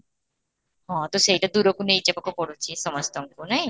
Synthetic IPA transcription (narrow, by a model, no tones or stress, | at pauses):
ɦɔ̃t̪oʃejʈad̪uɾokunejt͡ɕapakopɔɽut͡ʃʰisɔmɔst̪ɔŋkunaɦi